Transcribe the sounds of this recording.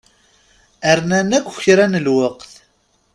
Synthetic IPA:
əɾnænækʷːçɾænəlwəqθ

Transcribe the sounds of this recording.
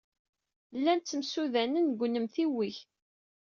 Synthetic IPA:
lːænt͡sːəmsuðænənɡʷnəmθiwiç

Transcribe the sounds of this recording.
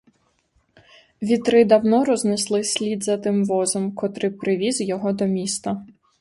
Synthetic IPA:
ʋʲit̪ɾɪd̪ɐwnɔɾɔzneslˠɪsʲlʲid̪zɐt̪ɪmʋɔzɔmkɔt̪ɾɪpɾɪʋʲizjɔɦɔd̪ɔmʲist̪ɐ

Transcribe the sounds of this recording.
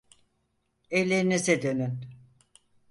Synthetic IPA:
elʲːeɾinized̪ønyn

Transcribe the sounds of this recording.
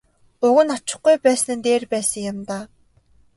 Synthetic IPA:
ʊɣɘ̆nat͡ɕɪ̥̆χɡujpæːsnɘ̆nt̪eːrpæːsə̆ŋjamt̪aː

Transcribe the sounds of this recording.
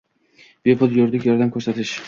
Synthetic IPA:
b̥epʰʊlˠjoɾd̪ɪkʲjɒɾd̪amkʲʰɵɾsat̪ʰɪʃ

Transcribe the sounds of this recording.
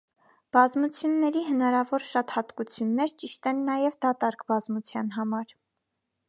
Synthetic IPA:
b̥ɑzmut͡sʰjunːɛɾiɦənɑɾɑvɔɾʃɑt̪hɑt̪kut͡sʰjunːɛɾt͡ʃiʃt̪ɛnːɑjɛvd̪ɑt̪ɑɾkbɑzmut͡sʰjɑn̪ɦɑmɑɾ

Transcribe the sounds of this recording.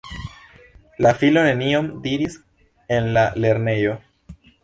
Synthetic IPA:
lafilo̞ne̞nio̞mdiɾis | e̞nlale̞ɾne̞jo̞

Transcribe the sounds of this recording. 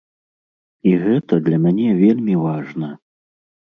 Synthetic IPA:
iɣɛt̪ɐd̪lʲɐmʲanʲɛvʲelʲmʲivaʐnɐ

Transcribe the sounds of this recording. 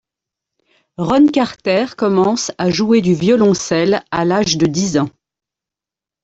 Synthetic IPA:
ʁɔnkʲaʁt̪ɛʁkɔmɑ̃saʒued̪yvjɔlɔ̃sɛlalaʒd̪əd̪izɑ̃

